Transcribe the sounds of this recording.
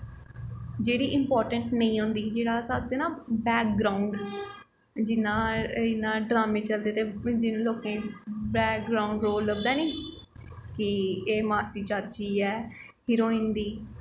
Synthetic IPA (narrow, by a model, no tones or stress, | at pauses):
d͡ʒeːɽiːʔɪmpɔːɾʈəɳʈnəĩːɦõnd̪iːd͡ʒeːɽaːsaːd̪eːnaːbɛːk̚ɡɾaːʊɳɖ | d͡ʒɪnãːɪnːãːɖɾaːmẽːt͡ʃəld̪eːt̪eːd͡ʒɪnloːkẽːbɛːk̚ɡɾaːʊɳɖɾoːlləbd̪aːnĩː | kɪeːmaːsiːt͡ʃaːt̪̚t͡ʃiːɛːhɪɾoːɪ̃nd̪iː